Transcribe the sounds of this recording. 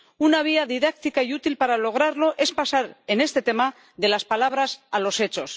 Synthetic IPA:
unaβ̞iaðiðak̚t̪ikaiut̪ilpaɾalo̞ɣ̞ɾaɾlo̞ʔe̞spasaɾe̞ne̞st̪e̞t̪e̞ma | ðe̞laspalaβ̞ɾasalo̞se̞t͡ʃo̞s

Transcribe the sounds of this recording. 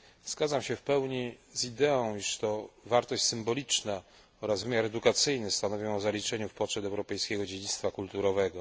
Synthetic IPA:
z̥ɡad̪zamɕɛfpɛwɲizid̪ɛɔ̃w̃iʂt̪ɔvaɾt̪ɔɕt͡ɕʲsɘmbɔlʲit͡ʂna | ɔɾazvɘmʲjaɾɛd̪ukat̪sɘjnɘst̪anɔvʲjɛ̃ɔzalʲit͡ʂɛɲufpɔtʂɛd̪ɛwɾɔpɛjskʲɛɡɔd͡ʑed͡ʑit̪st̪fakult̪uɾɔvɛɡɔ

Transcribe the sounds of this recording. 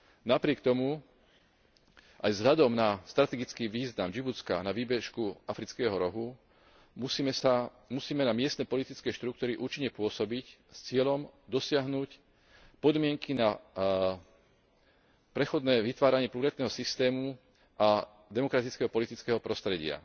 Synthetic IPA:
napɾɪɛkt̪ɔmu | ʔajvzɦʎad̪ɔmnast̪ɾat̪ɛɡit͡skiːʋiːznamd͡ʒibut͡ska̰naʋiːbɛʃkuafɾit͡skɛːɦɔɾɔɦu | musa | musiːmɛnamɪɛst̪nɛːpɔlit̪it͡skɛʃt̪ɾuk̚t̪uːɾiʔuːt͡ʃiɲːɛpʊɔsɔbicst͡sɪɛʎɔmd̪ɔsɪaɦnuc | pɔd̪mɪɛŋkina | pɾɛxɔd̪nɛːʋit̪ʋaːɾaɲɪɛpluɾɛt̪nɛːɦɔsist̪ɛːmu | ʔa | d̪ɛmɔkɾat̪it͡skɛɦɔpɔlit̪it͡skɛːɦɔpɾɔst̪ɾɛɟɪa̰

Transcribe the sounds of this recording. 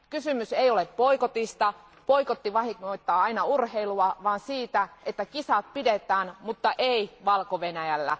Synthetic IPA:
kysymyseijoleppoikot̪ist̪ɑ | poikot̪ːiʋɑhiŋːoit̪ːɑːɑinɑurheiluɑʋɑːnsiːt̪æʔet̪ːækisɑt̪̚pidet̪ˑæːnmut̪ːɑʔeiʋɑlkoʋenæjælːæ̰

